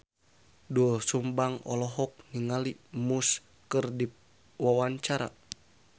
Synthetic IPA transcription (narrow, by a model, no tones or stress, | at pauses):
duɔsumbaŋɔ̰lɔɦɔk̚niŋalimus | kərdip̚ | wawaɲt͡ʃaɾa̰